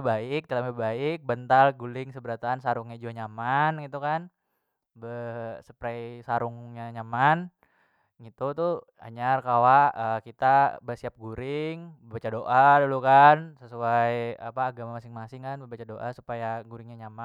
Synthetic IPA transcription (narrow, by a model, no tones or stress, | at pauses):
baɪk̚d̪əlamabaɪk̚bənt̪alɡulɪŋsəbəɾat̪aːnsaɾuŋɲad͡ʒuaɲamanɡit̪ukan | bəsə̥pɾajsaɾʊŋɲaɲaman | ɡit̪ut̪u | a̰ɲarkawaəkit̪abəsiap̚ɡuɾɪŋbəbat͡ʃadoʔadulukansəsuaja̰paːɡamamasɪŋmasɪŋkanbəbat͡ʃadoʔasupajaɡuɾɪŋɲaɲama